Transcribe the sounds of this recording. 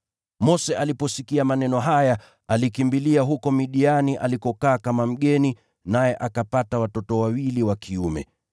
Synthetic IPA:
mɔsɛʔalipɔsikiamanɛnɔɦaja | alikimbiliaɦukɔmiɗianiʔa̰likɔkaːkamam̩ɠɛni | najɛʔakapatawatɔtɔwawiliwakʰiumɛ̰

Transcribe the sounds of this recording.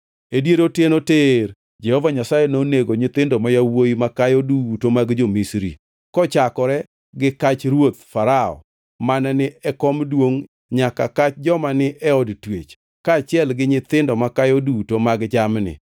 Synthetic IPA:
edjeɾotɪnoteɾ | d͡ʒɛhɔvaɲasajɛnoneɡoɲɪt̪ɪndɔmajawoimakajodutomaɡd͡ʒomisɾḭ | kɔt͡ʃakɔɾɛ | ɡɪkat͡ʃɾwot̪faɾaɔ̰ | manɛnɪɛkɔmdwoŋ | ɲakakat͡ʃd͡ʒɔmanɪʔɛɔdtwḛt͡ʃ | kaːt͡ʃɪɛlɡɪɲɪt̪ɪndɔmakajodutomaɡd͡ʒamnɪ̰

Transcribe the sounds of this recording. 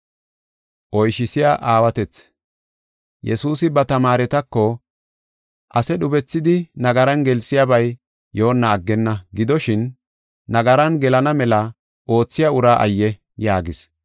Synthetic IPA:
ʔɔjʃɪsɪjaʔaːwɐt̪ɛt͡s | jɛ̰suːsɪbɐt̪ɐmaːɾɛt̪ɐkːɔ | ʔɐsɛɗʊbɛt͡sːɪd̪ɪnɐɡɐɾɐnɡɛlsɪjabɐj | jo̞ːnːɐːɡːɛnːɐɡɪd̪ɔʃɪnː | ɐɡɐɾɐnɡɛlɐnɐmɛlɐ | ʔo̞ːt͡sːɪjɐʊɾaːʔɐ̰jːɛ | jaːɡɪs

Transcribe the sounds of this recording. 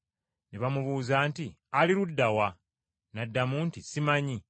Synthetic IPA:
neβamuβuːzaːnti | aliɾudːawa | nadːamuntisimaɲi

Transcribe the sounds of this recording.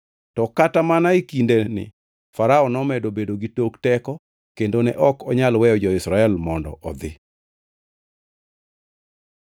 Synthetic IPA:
tɔkatamanaikindenɪ̰ | faɾaɔnɔmɛdobedoɡitoktɛkɔ | kendonɛʔɔkɔɲalwɛjɔd͡ʒɔɪsɾaɛlmɔndɔ̰ʔɔd̪ɪ

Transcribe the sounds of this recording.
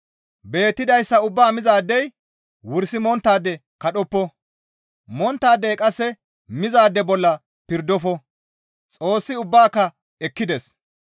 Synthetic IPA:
be̞ːt̪ːɪd̪ɐjsːɐʊbːaːmɪzaːd̪ːɛj | wʊɾsɪmɔnt̪ːaːd̪ːɛ | kɐɗɔpːɔ | mɔnt̪ːaːd̪ːɛjkʼɐsːɛ | mɪzaːd̪ːɛbɔlːɐ | pɪɾd̪ɔfɔ | t͡sʼo̞ːsːɪʊbːaːkːɐ | ɛkːɪd̪ɛs

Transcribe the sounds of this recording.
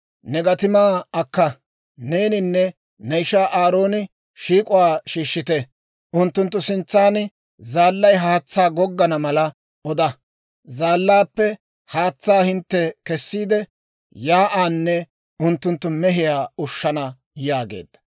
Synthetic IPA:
nɛɡɐt̪ɪmaːɐkːɐ | ne̞ːnɪnːɛ | nɛjʃaːʔaːɾo̞ːnɪ | ʃiːkʼʊwaːʃiːʃːɪt̪ɛ | ʔʊnt̪ːʊnt̪ːʊsɪnt͡sːaːn | zaːlːɐjɦaːt͡sːaːɡɔɡːɐnɐmɐlɐ | ʔɔd̪ɐ | zaːlːaːpːɛ | haːt͡sːaːhɪnt̪ːɛkɛsːiːd̪ɛ | jaːʔaːnːɛ | ʊnt̪ːʊnt̪ːʊmɛɦɪjaːʊʃːɐnɐ | jaːɡḛːd̪̥ːɐ̥

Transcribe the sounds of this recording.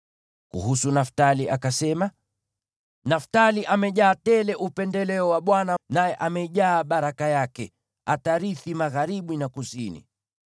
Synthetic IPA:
kṵɦusunaftaliʔakasɛma | naftaliʔamɛʄaːtɛlɛʔupɛndɛlɛɔwaɓwananajɛʔamɛiʄaːɓaɾakajakɛ | ataɾiθimaɣaɾiɓunakusinḭ

